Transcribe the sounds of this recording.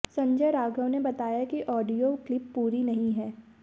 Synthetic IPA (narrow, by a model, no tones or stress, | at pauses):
sɐ̃ɲd͡ʒəjɾaːɡəʋnebɐt̪aːjakiʔɔːɖijoklɪpːuːɾinɐɦĩɦɛː